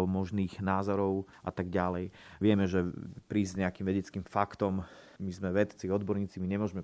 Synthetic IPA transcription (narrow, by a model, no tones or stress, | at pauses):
lmɔʒniːɣnaːzɔɾɔʊʔa̰t̪aɡɟalɛjʋɪɛmɛʒɛpɾiːzzɲɛakimʋɛɟɛt͡skimfakt̪ɔmmizmɛʋɛt̪t͡siɔd̪bɔɾɲiːt͡simiɲɛmʊɔʒmɛ